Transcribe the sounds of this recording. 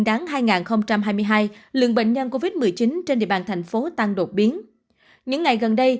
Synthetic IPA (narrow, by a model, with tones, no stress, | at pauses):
ŋɗaː˨˦ŋɦaː˧jŋaː˨˩nxə˧wŋ͡mt͡ɕa˧mɦaː˧jmɨ˧əjɦaː˧jlɨ̰˧˨əŋɓḛ˧˨ŋ̟ɲə˧nko˧vi˦˥t̚mɨ˨˩əjt͡ɕi˨˦nt͡ɕe˧nɗḭ˧˨əɓa̰ː˧˩nt̪ʰa˨˩jŋ̟fo˨˦t̪a˧ŋɗo˨˩t̚ɓi˨˦ən | ɲɨ̰˧˥ŋːa˨˩jɣə˨˩nɗə˧j